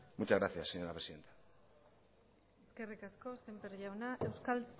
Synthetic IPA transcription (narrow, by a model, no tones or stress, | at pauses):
mut͡ʃazɣɾaθjasːeɲoɾapɾesiðe̞nt̪ḁ | eske̞rikasko̞se̞mpeɾʝawnaʔe̞wskal